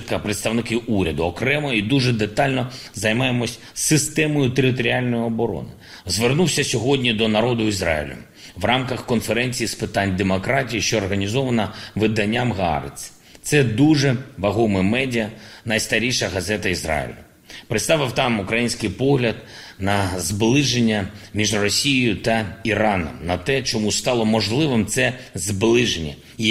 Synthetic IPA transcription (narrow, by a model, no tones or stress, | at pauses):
t̪kɐpɾɪt̪st̪ɐʋnɪkɪʔuɾʲɐd̪ʊɔkɾɛmɔid̪uʐɛd̪et̪ɑlʲnɔzɐjmɑjemɔsʲsɪst̪ɛmɔjʊt̪eɾɪt̪̬ɔɾʲialʲnɔjɪɔbɔɾɔ̰nɪ | zʋernuwsʲɐsʲɔɦɔdʲnʲid̪ɔnɐɾɔd̪ʊizɾɑ̰ḭlʲʊ̰ | ʋrɑmkɐxkɔnfeɾɛnʲt͡sʲijispɪt̪anʲd̪emɔkɾɑtʲijiʃt͡ʃɔːrɦɐnʲizɔʋɐnɐʋɪd̪ɐnʲːamɣɑ̰ɾɪ̰t͡sʲ | t̪sɛd̪uʒɛʋɐɦɔmɪmɛdʲiɐnɐjst̪ɐɾʲiʃɐɦɐzɛt̪ɐizrɑ̰jɪ̰lʲɐ̰ | pɾɪt̪st̪ɑʋɪwt̪ɑmukɾɐjinʲsʲkɪjpɔɦlʲɐd̪ | nɐzblˠɪʒenʲːɐmʲiʒrɔsʲijɪjʊt̪ɐiɾɑnɔ̰mnɐt̪ɛt͡ʃɔmust̪ɑlˠɔmɔʒlˠɪʋɪmt̪sɛzblˠɪʒenʲːɐ̰